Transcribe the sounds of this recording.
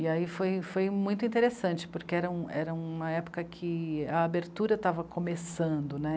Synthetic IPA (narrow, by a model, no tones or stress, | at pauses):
ɪaifojfojmũj̃t̪ʊĩt̪eɾesɐ̃nt͡ʃɪ̥pʊɾkeɛɾɐũɛ̰ɾɐũmɐɛpo̥kɐkʰɪɐːbeɾt̪uɾɐt̪avɐkʰomesɐ̃d̪ʊnɛ